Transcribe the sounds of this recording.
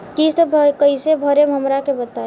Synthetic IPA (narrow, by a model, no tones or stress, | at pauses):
kisəbkəɪsebʱəɾemɦəmɾakebət̪a